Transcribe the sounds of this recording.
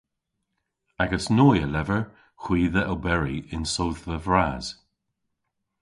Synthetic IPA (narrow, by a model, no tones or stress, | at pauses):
aɡəsnɔːjəlɛvəɹ | xw̥iːðəʔəwbɛɹiɪnsowθðəvɹaːz̥